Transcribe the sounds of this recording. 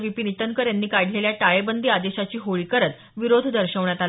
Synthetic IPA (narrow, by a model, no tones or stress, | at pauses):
ʋipinit̪əŋkəɾjanːiːkaɽ̤leljaʈaɭebənd̪iːad̪eɕat͡ɕiːɦoɭiːkəɾət̪ | ʋiɾod̪ʱd̪əɾɕəʋɳjat̪al